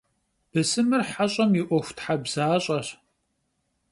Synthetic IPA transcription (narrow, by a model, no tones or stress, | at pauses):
b̥ɨsɨmɨrħaɕʼɐmjɪʔʷɔxʷtʰħabz̥aːɕʼɐɕ